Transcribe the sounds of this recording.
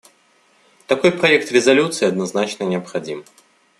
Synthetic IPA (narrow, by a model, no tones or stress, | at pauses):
t̪akɔjpɾajɛk̚t̪rʲɛzalʲut̪sɨiɐd̪naznat͡ʃnɐnʲɪɐpxad͡zʲim